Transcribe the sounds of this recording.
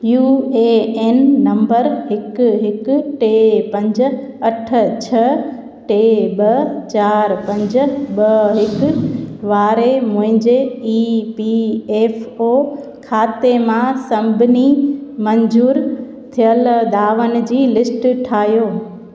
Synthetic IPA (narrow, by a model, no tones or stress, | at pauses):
juːeːeːnːɐ̃mbəɾɦɪkɦɪkʈeːpɐ̃ɲd͡ʑ | ɐʈ̆ʰt͡ɕʰɐ | ʈeːɓɐt͡ɕaːɾpɐ̃ɲd͡ʑɓɐɦɪk̆ | ʋaːɾemʊ̃ɦɪ̃ɲd͡ʑeiːpieːfoː | kʰaːt̪emãsɐ̃mbʱɪnimɐɲd͡ʑuːɾ | t̪ʰijəld̪aːʋənɪ̆d͡ʑiːlɪsʈʈʰaːɦjoː